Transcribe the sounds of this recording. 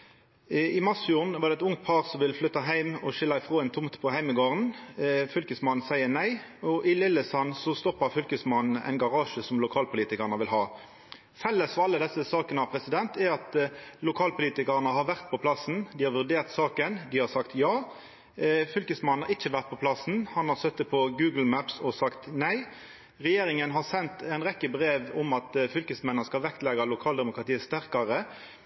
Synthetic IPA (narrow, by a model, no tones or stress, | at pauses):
ɪmɑsfjuːʁnʋɑʁd̪ɛt̪ʊŋt̪̚pʰɑːʁsɔmʋɪlflʏt̪ːɑɦæɪmɔʃɪlːɑɪfʁoːɛnt̪ʰʊmt̪pʰɔhæɪməɡoːʁənfʏlkəsmɑnn̩sæɪənæɪɔʔɪlɪlːəsɑnsɔst̪ɔpːɑʁfʏlkəsmɑnn̩æ̰ɪnɡɑʁɑːʃəsɔmlʊkʰɑːlpʰʊliːt̪ɪkəʁnəʋɪlɦɑː | fɛlːəsfɔʁɑlːəd̪ɛsːəsɑːkənɑʋpʰʁɛsɪd̪ɛnt̪ɛɑt̪lʊkʰɑːlpʊliːt̪ɪkɑʁnəɦɑɾʋæʁt̪pʰɔpʰlɑsn̩d̪ɪhɑɾʋʉʁd̪eːʁt̪sɑːkənd̪ɪhɑsɑkt̪jɑː | fʏlkəsmɑn̩ːɑʁɪçːəʋæʁt̪̚pʰɔpʰlɑsn̩hɑnhɑɾsœt̪ːət̪̚pʰɔɡʉːɡl̩mæpsɔsɑkt̪næɪ | ʁɛjeːɾɪŋənɦɑʁsɛnt̪æɪnʁɛkːəbɾeːʋʊmɑt̪fʏlkəsmɛnːɑskɑlʋɛkt̪lɛɡɑlʊkʰɑːld̪ɛmʊkʁɑt̪iːəst̪æʁkɑʁə